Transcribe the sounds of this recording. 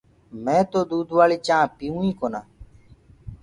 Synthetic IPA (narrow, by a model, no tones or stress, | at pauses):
mɛ̃ːt̪oːd̪uːd̪ʱʋaːɭiːt͡ʃãːpiːũːĩːkoːnaː